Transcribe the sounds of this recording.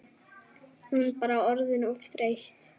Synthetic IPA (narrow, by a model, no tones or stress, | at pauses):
hunpaːɾawɔɾðɪnɔfθɾejht̪